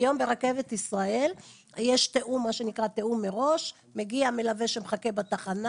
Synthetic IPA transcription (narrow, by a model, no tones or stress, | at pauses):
jo̞mbe̞ʁake̞vet̪isʁae̞l | jeʃt̪eʔumːaʃe̞nikʁat̪e̞umːeʁo̞ʃ | me̞ɡiamelave̞ʃemχake̞bat̪aχana